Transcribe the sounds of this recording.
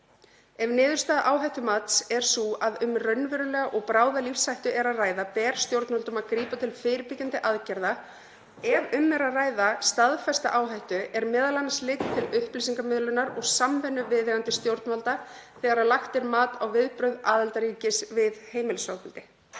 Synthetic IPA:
ɛvnɪːðʏɾst̪aːðʔaːwɦajht̪ʏmat̪sɛɾ̥suaðʏmrœɥnvɪɾʏlɛːɣaʔɔɣpɾaːwðalifsːajht̪ʏʔɛɾaðraːjðapɛːɾ̥st̪jowɾt̪nmalt̪ʏmaðkɾiːpat̪ʰɪlfɪːɾɪpɪcant̪ɪʔaðcɛɾða | ɛvʏmːɛɾaðraːjðast̪aðfɛst̪a̰ʔaːwɦajht̪ʏʔɛɾmɛːðalanaslɪt̪t̪ʰɪlʏhplisiŋkamɪðlʏnaɾɔɣsamvɛnːʏvɪððɛɣant̪ɪst̪jowɾt̪nmalt̪a | θɛːɣaɾaðlaxt̪ɪɾmaːt̪awvɪðpɾœɥðaːðɛlt̪aɾicɪsvɪðheːjmɪlsaːwpʏlt̪ɪ

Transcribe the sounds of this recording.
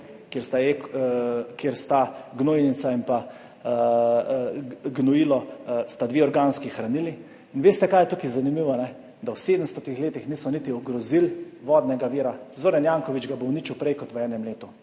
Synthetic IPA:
kjeɾst̪ae | keɾst̪aɡnoinisaimpa | ɡnɔjilɔst̪ad̪ʋeːɔɾɡaːnskixɾaniliː | nʋeːst̪ɛkajɛt̪ukizanimiʋɔnɛ | d̪awseːd̪əmst̪ɔt̪ixleːt̪ixniːsɔnit̪iɔɡɾɔzilʋɔːd̪nɛɡaʋiːɾazoːɾɛnjaːŋkɔʋit͡ʃɡabowniːt͡ʃiwpɾɛjkɔt̪ʋəɛːnɛmleːt̪u

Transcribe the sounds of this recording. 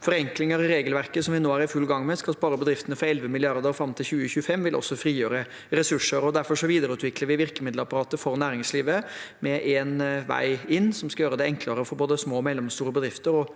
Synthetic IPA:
fɔɾɛŋklɪŋəɾɪɾeːɡəlʋæɾkəsɔmʋɪnoːæɾɪfʉlːɡɑŋːmɛskɑlspɑːɾəbəd̪ɾɪft̪ənəfɑɾɛlʋəmɪlɪɑɾd̪əɾfɾɑmt̪ʰɪlçʉːəçʉːfɛmːʋɪlʔɔ̰sːɔfɾiːjøːɾə | ɾɛsʉʂəɾɔd̪æɾfɔʂɔʋiːd̪əɾəʉːt̪ʋɪkləɾʋɪʋɪɾkəmɪd̪ləɾɑpɑɾɑːt̪əfɔɾnæːɾɪŋsliːʋəmɛʔɛnʋæ̰ɪɪnːsɔmskɑjøːɾəd̪ɛɛŋkləɾəfɔɾboːd̪əsmoːmɛlːəmst̪uːɾəbəd̪ɾɪft̪əɾɔ

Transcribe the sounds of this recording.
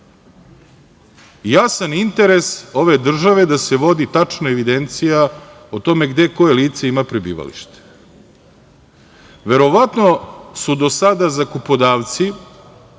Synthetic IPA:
jasanint̪e̞ɾe̞so̞ʋe̞d̪r̩ʒaʋe̞d̪ase̞ʋo̞d̪it̪at͡ʂnaeʋid̪e̞nt̪sija | ot̪o̞me̞ɡd̪e̞ko̞jeliːt̪se̞imapɾibḭːʋa̰lḭʃt̪e̥ | ʋe̞ɾo̞ʋat̪no̞sud̪o̞sad̪azakupo̞d̪aːʋt̪si

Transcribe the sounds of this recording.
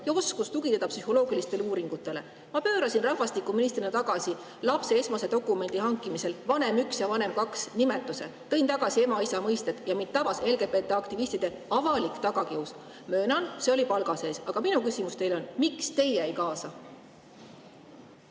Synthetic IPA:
jɑo̞skust̪uɡit̪ed̪ɑpsyho̞lo̞ːɡilist̪e̞luːɾiŋɡ̥ut̪ːˑe̞le̞ | mɑpø̞ːɾɑsinrɑhvɑst̪ikːˑuminis̬t̪rinɑt̪ɑɡ̥ɑsi | lɑpse̞e̞smɑse̞d̪o̞kˑːume̞nd̪̥ihɑŋkːˑimise̞lvɑne̞myksjɑvɑne̞mkɑksnime̞t̪ːˑuse̞̰t̪ɤ̞jnt̪ɑɡ̥ɑsie̞mɑisɑmɤjst̪ed̪̥jɑmint̪̚t̪ɑbɑse̞lɡe̞pe̞t̪ːˑeɑkt̪ivist̪id̪̥e̞ɑvɑlikˑt̪ɑɡ̥ɑkius | mø̞ːnɑnse̞o̞lipɑlɡ̥ɑse̞ːsɑɡ̥ɑminukysʲimust̪e̞jlo̞nmikst̪e̞jeæejkɑːsɑ

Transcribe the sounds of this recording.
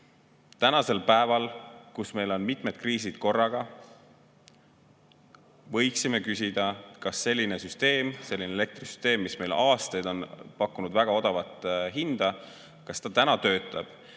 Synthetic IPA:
t̪ænɑse̞lpæevɑlkusme̞jlo̞nmit̪ˑme̞d̪̥kriːsid̪̥ko̞rːɑɡ̥ɑ | vɤ̞jksime̞kysʲid̪̥ɑkɑsːe̞lʲːine̞syst̪e̞ːmse̞lːinele̞k̚t̪risy̥st̪e̞ːmːisme̞jlɑːst̪ejd̪̥o̞npɑkːˑunud̪̥væɡ̥ɑo̞d̪̥ɑvɑt̪ːˑɦind̪̥ɑ | kɑsːt̪ɑt̪ænɑt̪ø̞ːt̪ˑɑb̥

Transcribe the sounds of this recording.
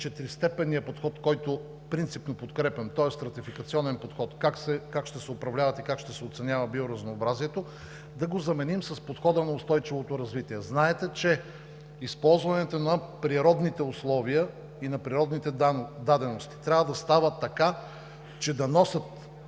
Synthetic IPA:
t͡ʃɛt̪ɾist̪ɛpɛnijɐpot̪xɔt̪kɔjt̪o | fpɾint̪sipnopot̪kɾɛpɛmt̪ɔɛst̪ɾɐt̪ifikɐt̪siɔnɛnpot̪xɔt̪kaksɛkakʃt̪ɛsɛʊpɾɐvlʲavɐt̪ikakʃt̪ɛsɛot̪sɛnʲavɐbioɾɐznoːbɾaziɛt̪o | d̪ɐɡozɐmɛnimsɐspot̪xɔd̪ənɐʊst̪ɔjt͡ʃivot̪oɾɐzvit̪iɛznaɛt̪ɛt͡ʃɛ | ispɔlˠzvɐnɛt̪onɐpɾiɾɔd̪nit̪ɛʊslˠɔviə | inɐpɾiɾɔd̪nit̪ɛd̪ad̪ɛnost̪i̥t̪ɾʲavəd̪ɐst̪avət̪ːɐka | t͡ʃɛd̪ɐnɔsʲɐt̪

